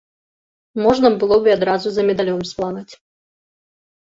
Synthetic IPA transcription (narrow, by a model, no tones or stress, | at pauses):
mɔʐnɐbɨlˠɔbɨad̪ɾazuzɐmʲɛd̪alʲɔmsplˠanat͡sʲ